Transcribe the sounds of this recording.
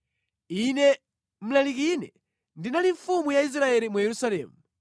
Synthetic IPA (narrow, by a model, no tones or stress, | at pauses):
inɛ | m̩lalik̬inɛ̰ | ndinaliɱfumujais̬ɾaɛlimujɛɾusalɛ̰ːmu